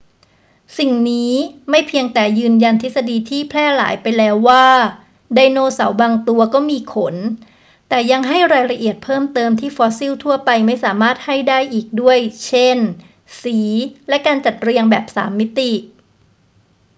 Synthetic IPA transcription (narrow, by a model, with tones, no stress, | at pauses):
si˨˩ŋniː˦˥ma˥˩jpʰi˧əŋt̪ɛː˨˩jɯː˧nja˧nt̪ʰi˦˥t̪̚sa˧diː˧t̪ʰiː˥˩pʰlɛː˥˩la̰ː˩˦jpa˧jlɛː˦˥wːaː˥˩ | da˧jnoː˥˩sa̰˩˦wbaː˧ŋt̪u˧ɐkɔː˥˩miː˧kʰo˩˦n | t̪ɛː˨˩ja˧ŋɦa˥˩jɾaː˧jɾa˧ʔi˨˩ət̪̚pʰɤː˥˩mt̪ɤː˧mt̪ʰiː˥˩fɔː˦˥si˥˩wt̪ʰu˥˩ɐpa˧jma˥˩jsaː˩˦maː˥˩t̪̚ha˥˩jdaː˥˩jʔiː˨˩k̚du˥˩əjt͡ɕʰe˥˩n | siː˩˦lɛ˦˥kaː˧nt͡ɕa˨˩t̪̚ɾi˧əŋbɛː˨˩p̚sa̰ː˩˦mːi˦˥t̪i˨˩